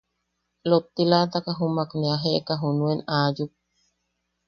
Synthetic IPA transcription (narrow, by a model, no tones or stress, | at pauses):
lot̪ːilat̪akaɦumakneaɦeʔkaɦunuenaːjup̚